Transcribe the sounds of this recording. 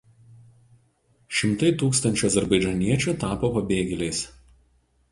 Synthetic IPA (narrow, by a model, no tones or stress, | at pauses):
ʃʲɪmt̪ɐɪt̪uːkst̪ɐnʲt͡ʃʲuɐzʲɛɾbɐɪd͡ʒʲɐnʲiɛt͡ʃʲut̪ɑːpoːpɐbʲeːɡʲɛlʲeɪs